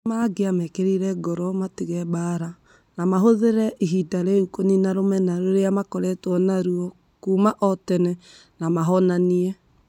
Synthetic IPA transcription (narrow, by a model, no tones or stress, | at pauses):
maaɡeamɛkeɾiɾɛɡɔɾɔmatiɣɛbaːɾa | namaɦoðeɾɛʔiɦidaɾeukoninaɾomɛnaɾoɾeamakɔɾɛtwɔnaɾuɔ | kuːmaʔɔtɛnɛ | namaɦɔnaniɛ